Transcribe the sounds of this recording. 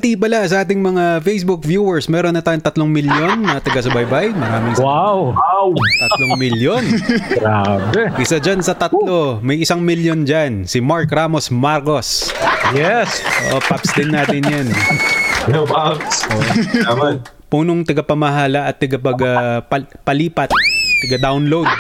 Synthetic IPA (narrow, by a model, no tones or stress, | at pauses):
t̪ipɐlasɐʔaːt̪̬ɪŋmɐŋafejsbuk̚vjuːwɛɹsmɛːɾonːɐt̪aːjoŋt̪ɐt̪loŋmɪljo̞nːɐt̪ɐɡɐsɐbɐjbajmɐɾaːmɪŋwawawt̪ɐtloŋmɪljonɡɾabɛʔɪsad͡ʒansɐt̪ɐt̪llo̞mɐjɪsaŋmiljond͡ʒansɪmaɹkɾaːmo̞smaɾko̞sjɛsʔo̰ʔopapsd̪ɪnːaːt̪ɪnjan | asʔoʔʔ | puːnoŋt̪ɐɡɐpɐmɐɦaːlɐʔɐt̪ːɐɡɐp̬ɐɡapɐpɐliːpɐt̪̚t̪ɐɡɐd̪awnlowd̪̚